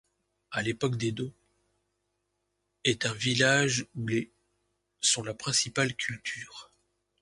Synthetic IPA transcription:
alepɔkd̪ed̪o | ɛt̪ɛ̃vilaʒule | sɔ̃lapχɛ̃sipalkʲʰylt̪ʰyːʁ

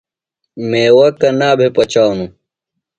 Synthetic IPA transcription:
mẽːwɐkɐnaːbʱepɐt͡ɕaːwnũ

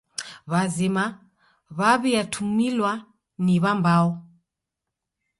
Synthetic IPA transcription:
βazima | βaβiatʰumilwa | niβambaɔ

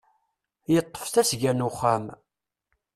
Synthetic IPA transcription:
jət̪ˤːə̥fθæsʝænʊχːæm

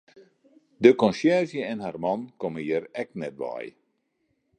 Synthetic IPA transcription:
dəkɔnsjɛrzjəɛnharmɑnkoməjɪɾɛk̚nɛt̚ʋa̰j

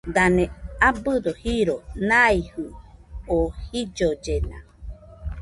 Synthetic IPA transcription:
d̪aneabɨd̪ohiɾonaihɯohid͡ʒod͡ʒena̰

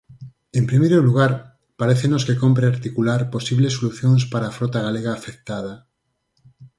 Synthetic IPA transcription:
empɾimejɾoluɣ̞aɾ | paɾeθenoskekomp̬ɾeaɾt̪ikulaɾposiβlesːoluθjoŋspaɾaːfɾot̪aɣaleɣaːfek̚t̪að̞ɐ

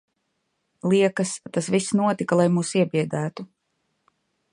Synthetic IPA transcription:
lˠiɛkɐst̪asvisnuɔt̪ikalˠajmuːsiɛbiɛd̪æːt̪u

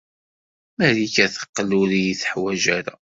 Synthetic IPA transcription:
mæɾikæθə̥qːlʊɾijiθə̥ħwæʒæɾa̰

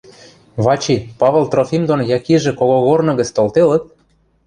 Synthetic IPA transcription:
βɑt͡ɕipɑβɤ̆lt̪rofʲimd̪onjɑkiʒĕkoɣoɣornɤ̆ɣə̆t͡st̪olt̪elə̆t̪̚

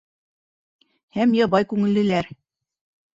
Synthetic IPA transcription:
hæmjɑβɑjkʉŋɘ̆lːɘ̆læɾ

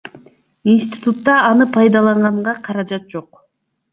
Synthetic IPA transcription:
insʲt̪ʲi̥t̪ut̪ːɑɑnɯpʰɑjd̪ɑlˠɑɴʁɑɴʁɑqʰɑɾɑd͡ʒɑt̪̚d͡ʒo̞q

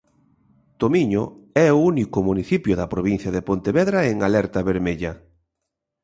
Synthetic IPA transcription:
t̪omiɲoɛounikʊmuniθipjoðɐpɾoβin̟θjɐðepont̪eβɛðɾaeŋalɛɾt̪ɐβeɾmeʎɐ

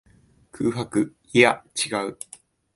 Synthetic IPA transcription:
kʰɯ̟ːɦakɯ̟ | iat͡ɕiɡaɯ̟

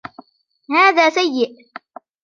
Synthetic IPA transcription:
haːðaːsajːɪʔ

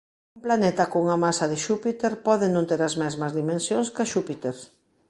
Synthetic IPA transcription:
umplanet̪ɐkouŋɐmasɐðɪʃupit̪eɾpɔðɪnõnt̪eɾɐzmɛzmɐzðimẽnsjoŋskaʃupit̪eɾ

